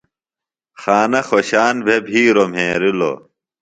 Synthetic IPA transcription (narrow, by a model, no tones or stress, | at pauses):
xaːnɐxoɕaːnbʱebʱiːɾom̤ʱẽːɾilo̰